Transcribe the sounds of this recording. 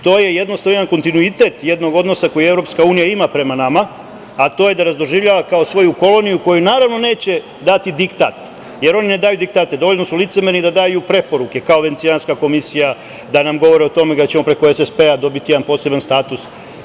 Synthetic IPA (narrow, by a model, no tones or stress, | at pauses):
t̪o̞ːje̞jed̪nost̪aanko̞nt̪inuit̪e̞t̪je̞d̪no̞ɡo̞d̪no̞sako̞jue̞vɾo̞pskauːnijaimapɾe̞manama | at̪o̞je̞d̪aɾazd̪o̞ʒiʋʎʲaʋakao̞sʋo̞juko̞lo̞nijuko̞junaːɾaʋno̞ne̞ːt͡ɕe̞ | d̪at̪id̪ikt̪a̰ːt̪ | je̞ɾo̞nine̞d̪aːjud̪ikt̪aːt̪e̞d̪o̞ʋo̞ʎno̞sulit̪semeɾnid̪ad̪aːjupɾe̞po̞ɾuke̞kaoʋe̞nt̪sianskako̞misija | d̪anamɡo̞ʋo̞ɾiot̪o̞me̞ɡat͡ɕemo̞pɾe̞ko̞esespe̞ad̪o̞bit̪ije̞d̪anpo̞ːse̞banst̪aːt̪us